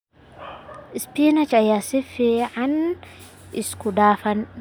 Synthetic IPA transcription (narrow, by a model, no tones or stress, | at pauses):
ispinat͡ʃajasifiʕan | iskudaːfan